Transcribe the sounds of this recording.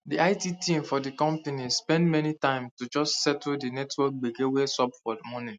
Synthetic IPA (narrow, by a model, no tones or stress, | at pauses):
diaɪtitʰĩmfɔdikɔ̃mpenispɛ̃ndmɛnitãɪ̃mstud͡ʒɔstsɛtdinɛtwɔk̚ɡ͡beɡewesɔpfɔdəmɔnĩ